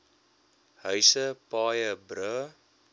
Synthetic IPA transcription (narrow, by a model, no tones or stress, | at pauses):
ɦœɥsəpɑːjəbɾə